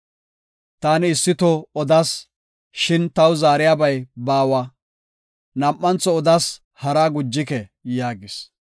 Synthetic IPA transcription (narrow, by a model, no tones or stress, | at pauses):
t̪aːnɪːsːɪt̪ɔɔd̪ɐs | ʃɪnt̪ɐwzaːɾɪjaːbɐjbaːwɐ | nɐmʔʼːɐnt͡sːɔɔd̪as | hɐɾaɡʊd͡ʒːɪkɛjaːɡɪs